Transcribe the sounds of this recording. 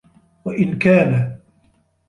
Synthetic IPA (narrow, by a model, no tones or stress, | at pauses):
waʔɪnkaːna